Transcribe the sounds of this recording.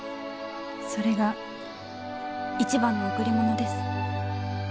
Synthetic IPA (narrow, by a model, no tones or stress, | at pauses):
so̞ɾe̞ɡa | it͡ɕibãnːoːkɯ̟ɾʲimo̞no̞d̪e̞sɨ̥